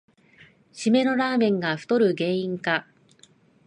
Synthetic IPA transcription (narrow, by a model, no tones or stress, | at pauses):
ɕime̞no̞ɾaːmẽ̞ŋɡaɸɯ̟̥t̪o̞ɾɯ̟ɡẽ̞ːĩŋka